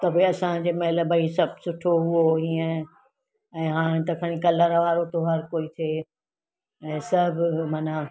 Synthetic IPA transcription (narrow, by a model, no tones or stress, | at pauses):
t̪ɐbʱeɐsãd͡ʑemɐɦɪlbʱɐisɐb̚ʱsʊʈʰoɦʊoɦiə̃ | ɛ̃ːɦãːɽ̃t̪ɐkʰəɽ̃ĩkɐləɾʋaːɾot̪oɦɐɾkoːit̪ʰeː | ɛ̃ːsɐbʱmaːna